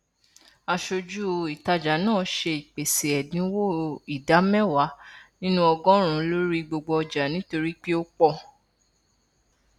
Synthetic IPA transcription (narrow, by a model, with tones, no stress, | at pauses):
a˧ʃo˧d͡ʒu˦˧i˨ta˧d͡ʒa˨nãː˦˨ʃe˧i˨k͡pe˨se˨ɛ˨dĩ˨˦wo˦˨i˨da˨˦mɛ˦˨wa˨˦nĩ˦nũ˦ɔ˧ɡɔ̃˦ɾ̃ũ˨˦lo˦ɾi˦ɡ͡bo˧ɡ͡bɔ˧ɔ˧d͡ʒa˨nĩ˨˦to˧ɾi˦k͡pi˦o˦k͡pɔ˧˨